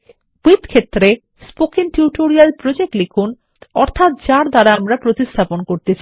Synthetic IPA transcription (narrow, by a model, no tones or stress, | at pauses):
b̥it̪kʰet̪ːɾe | spokiŋʈuʈoɾialpɾod͡ʑek̚ʈlekʰun | ɔɾt̪ʰat̪̚d͡ʑaɾd̪aɾaamɾapɾot̪ist̪ʰaponkoɾt̪et͡ɕʰi